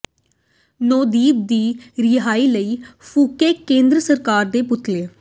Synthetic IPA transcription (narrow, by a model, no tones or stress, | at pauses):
noːd̪iːb̚d̪iːɾɪɦaːiːləiːfʰuːkeːkẽːnd̪ɾəsəɾkaːɾd̪eːpʊt̪ːleː